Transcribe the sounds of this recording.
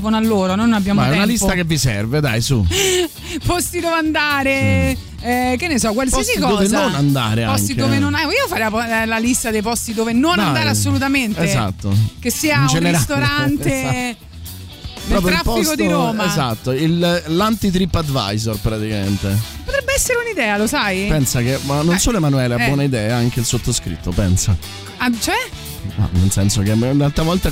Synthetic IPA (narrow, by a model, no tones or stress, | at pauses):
vonoalːoːɾonojnoabːjaːmoɛnalist̪akevːisɛ̰rved̪a̰jsṵ | pɔst̪id̪oːveand̪aːɾe | ɛk̟enːesɔkwelsikːɔd̪oːvenzonand̪a̰ːɾeapɔsŋkt̪id̪oːvenonaiːofaɾɛjapɔlalist̪ad̪ejpɔst̪id̪oːvenonanand̪aːɾeasːolut̪amenteeza̰t̪ːo̰k̟esːiːanud͡ʒeneɾast̪oɾant̪e | pɾeɔːlpɾj̪ɾlafpɔsikot̪iɾoːmaezat̪ːoillant̪it̪̬ɾipːad̪va̰jzorpɾat̪ikament̪epːot̪ɾɛbːeɛsːeɾeunid̪ɛːalosajpɛnsak̟eanːonsoːloemanuɛːleabbwɔːnaid̪ɛːaaŋk̟eilsot̪ːoskɾḭt̪ːopɛ̰nsa | at͡ʃoɛ | a̰nelsɛnsok̟emunalt̪ɾavɔlt̪a